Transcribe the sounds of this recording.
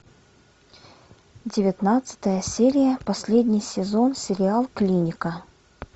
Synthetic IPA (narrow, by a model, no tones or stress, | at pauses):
dʲɪvʲɪt̪nat̪sə̥t̪əjəsʲeɾʲɪjəpɐsʲlʲed̪ʲnʲɪjsʲɪzo̞nsʲɪɾʲɪalˠklʲinʲɪkə